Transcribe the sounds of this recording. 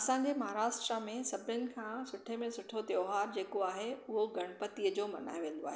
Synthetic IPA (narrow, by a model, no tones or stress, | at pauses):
ɐsãɲ̆d͡ʑemɐɦaːɾaːʃʈɾəmẽsɐbʱɪənɪ̆kʰãːsʊʈʰemẽsʊʈʰot̪joːɦaːɾd͡ʑeːkoaːɦeʊɦoɡɐɽ̃pət̪iəd͡ʑoːmɐ̰na̰ːjoʋẽːn̆d̪oa̰ːɦe